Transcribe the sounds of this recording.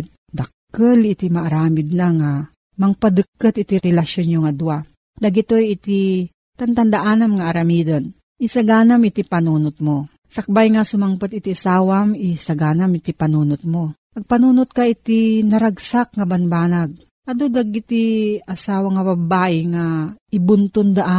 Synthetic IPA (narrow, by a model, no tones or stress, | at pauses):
d̪ɐkː | əlɪt̪imɐʔːɾaːmɪd̪̚naŋa | mɐŋpad̪ɨkːət̪ɪt̪iɾɛlɐʃjonjoŋad̪ua | d̪ɐɡɪt̪ojɪt̪i | t̪ɐnt̪ɐnd̪aʔaːnamŋaʔːɾɐmiːd̪ɐn | ʔisɐɡaːnamɪt̪ipɐnuːnʊt̪̚mo | sɐk̚bajŋasʊmaŋpat̪ɪt̪iʔasaːwamisɐɡaːnamɪt̪ipɐnuːnʊt̪̚mo | ɐɡ̚pɐnuːnot̪̚kaɪt̪inɐɾɐɡsak̚ŋɐbɐnbaːnaɡ̚ | ʔɐd̪od̪ɐɡɪt̪iʔɐsaːwɐŋɐbɐbaːʔɪŋaɪbʊnt̪ʊnd̪aʔa